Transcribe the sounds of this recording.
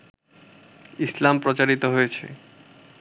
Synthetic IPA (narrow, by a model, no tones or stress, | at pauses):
islampɾot͡ɕaɾit̪oɦojet͡ɕʰḛ